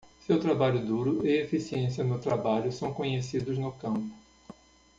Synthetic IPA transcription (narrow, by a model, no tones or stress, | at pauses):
sewt̪ɾabaʎʊd̪uɾʊʔɪefisiẽsiɐnʊt̪ɾabaʎʊsɐ̃w̃kõɲesid̪ʊznʊkɐ̃mpʊ̥